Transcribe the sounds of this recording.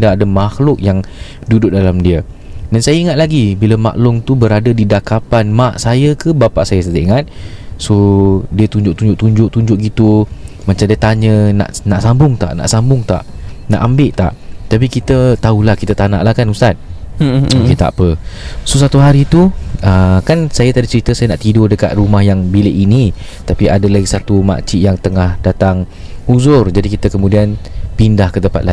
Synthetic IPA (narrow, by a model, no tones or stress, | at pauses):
daːdamaxlʊk̚jaŋ | dudʊʔ̚dalamdiə | dansajaəiŋat̪̚laɡibiləma̰ʔlʊŋt̪ubəɾadədidakapanmaʔsajəkəbapaʔsajəsat̪əʔiŋat̪̚sodiət̪uɲd͡ʒʊʔ̚t̪uɲd͡ʒʊʔt̪uɲd͡ʒʊʔ̚t̪uɲd͡ʒʊʔ̚ɡit̪umaɲt͡ʃamdiət̪aɲə̃na̰ʔnaʔsambʊŋt̪a̰ʔna̰ʔsambʊŋt̪a̰ʔna̰ʔambɪʔt̪a̰ʔt̪ap̬ikit̪ət̪aulahkit̪ət̪anã̰ʔlahkanust̪at̪̚ | oket̪a̰ʔpəsosat̪uɦaɾit̪uəkansajat̪adit͡ʃəɾit̪əsajanaʔt̪idʊdəka̰t̪̚rumahjaŋbileʔini | t̪apiadalaɡisat̪uma̰t͡ʃiʔjaŋt̪əŋahdat̪aŋ | uzʊrd͡ʒadikit̪əkəmũdianpindahkət̪əmpa̰t̪la